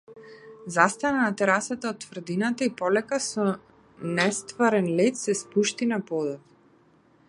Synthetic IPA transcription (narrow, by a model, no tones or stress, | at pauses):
zast̪ananat̪ɛɾasat̪aot̪̚ːvr̩d̪inat̪aipɔlɛkasɔ | nɛst̪vaɾɛnlɛt̪sɛspuʃt̪inapɔd̪ɔf